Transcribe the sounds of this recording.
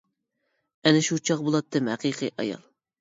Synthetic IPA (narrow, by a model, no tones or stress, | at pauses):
ɛnɪʃut͡ʃʰɑqbolˠɑt̪ːɨmhæqiqʰɨ̰ʔɑ̰jɑ̰lˠ